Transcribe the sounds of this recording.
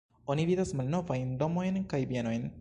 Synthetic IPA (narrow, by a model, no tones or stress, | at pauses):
o̞nividasmalno̞vajnd̪o̞mo̞jnkajbieno̞jn